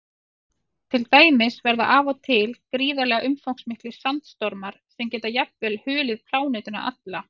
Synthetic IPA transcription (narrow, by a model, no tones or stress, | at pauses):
t̪ʰɪlt̪aːjmɪsvɛɾða̰ʔavɔt̪ʰɪlkɾiːðalɛːɣaʔʏmfowŋksmɪhklɪɾ̥sant̪st̪ɔɾmaɾ̥sɛmcɛːt̪ajapvɛlhʏːlɪðkʰl̥aːwnejt̪ʏna̰ʔa̰t̪la